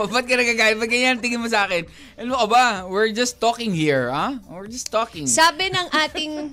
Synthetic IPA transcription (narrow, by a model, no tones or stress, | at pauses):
bɐt̪̚kɐnɐɡaɡaːlɪmɐɡɐjant̪ɪŋɪnmos̬ɐʔaːkɛn | ʔɐnʊʔɐbawɪɹd͡ʒɐst̪ːokɪŋhiɹawɪɹd͡ʒɐst̪ːoːkɪ̃ŋsaːbɪnɐŋʔaːt̪ɪŋ